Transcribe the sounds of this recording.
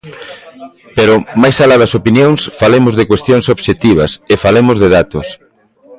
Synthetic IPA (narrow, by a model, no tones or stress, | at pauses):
peɾʊmajsalaðɐsopinjoŋsfalemʊzðekwest̪joŋsoβʃet̪iβ̞ɐsefalemʊzðeðat̪os